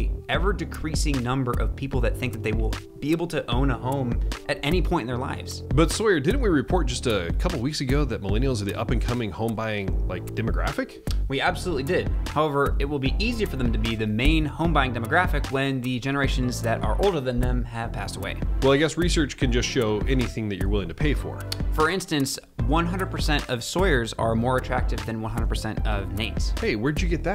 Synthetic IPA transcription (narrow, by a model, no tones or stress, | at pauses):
iɛvə˞dɨkʰɹ̥isɪ̃ŋnʌ̃mbə˞ʔʌ̰v̥pʰipl̩ˠðɨt̪̚θɪ̃ŋk̚ðɨt̪̚ðeɪwɪlˠ | b̥ieɪbl̩ˠtʰɨʔõʊ̃nəɦõʊ̃mʔɨɾɛñipʰɔ̃ɪ̃tɨ̃nðə˞la̰ɪvz̥b̥ʌtsɔɪə˞dɪdⁿn̩ʔ̚wiɹɨpʰɔɹt̚d̥ʒ̥ʌstɨkʰʌpl̩ˠwiksɨɡoʊðɨt̚məlɛnil̩ˠzə˞ðḭʔʌ̰pɨ̃nkʰʌmɪ̃ŋhõʊ̃mbaɪɪ̃ŋla̰ɪk̚d̥ɛmɨɡɹæ̰fɨk | wiæb̥səlutˡlidɪd̥̚haʊɛvə˞ɪt̚wəlˠbiʔiziə˞fə˞ðɨ̃m̩tɨbiðɨmẽɪ̃nhõʊ̃mbaɪɪ̃ŋdɛmɨɡɹæfɨkwɨ̃nðɨd͡ʒɛnə˞eɪʃɨ̃nzðɨɾə̰˞ʔoʊlˠdə˞ðɨ̃nðɨ̃mɨv̥pʰæstəwḛɪwɛlˠaɪɡɛsɹisɜ˞t͡ʃkʰɨ̃nd͡ʒʌstʃoʊʔɛniθɪ̃ŋðɨt͡ʃə̰˞wɪlˠɪ̃ŋtʰɨpʰeɪfə̰˞fə˞ɪ̃nstɨ̃ns | wʌ̃nɦʌ̃ndɹəd̚pʰə˞sɛ̃ntʌv̥sɔɪə˞zə̰˞mɔɹɨtʰɹ̥æk̚tɨvðɨ̃nwʌ̃nɦʌ̃ndɹəd̚pʰə˞sɛ̃ntʌvneɪtsheɪwə˞dɨd͡ʒɨɡɛt̪̚ðɨ